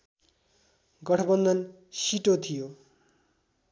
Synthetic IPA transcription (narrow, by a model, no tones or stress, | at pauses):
ɡʌʈʰʌbʌnd̪ʱʌn | siʈot̪ʰijo